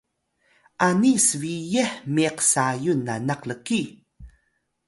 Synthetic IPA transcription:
ʔanisəvijeħmiqsajunːanaqləki

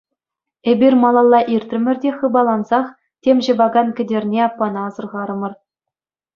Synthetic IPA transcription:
ebʲirʲmɑlˠɑlˠːɑʔirʲt̪ʲrɘ̆mʲɘ̆rʲdʲeχɯbɑlˠɑnzɑχ | tʲemʲʑɤ̆bɑɡɑnkʲɘ̆dʲerʲnʲeɑpːɑnɑːzɤ̆rʁɑɾɤ̆mɤ̆r

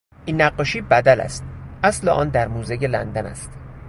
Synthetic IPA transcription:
ʔiːnːæɢːɒʃiːbæd̪ælæ̰st̪̚ʔæsleʔɒ̰ːnd̪æɾmuːzeɟelæ̰nd̪ænæ̰st̪

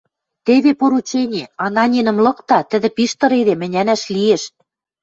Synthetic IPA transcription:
t̪eβepoɾut͡ɕenʲĕɑnɑnʲinɤ̆mlɤ̆kt̪ɑt̪ɘ̆d̪ɘ̆piʃt̪ɤ̆ɾed̪emɘ̆nʲænæʃlieʃ

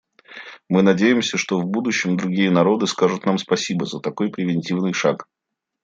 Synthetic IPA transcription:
mɨnɐdʲejɪmsʲəʂt̪ovbud̪ʊɕːɪmd̪ɾʊɡʲijənɐɾo̞d̪ɨskaʐʊt̪namspɐsʲibəzət̪ɐko̞jpɾʲɪvʲɪnʲtʲivnɨjʂa̰k

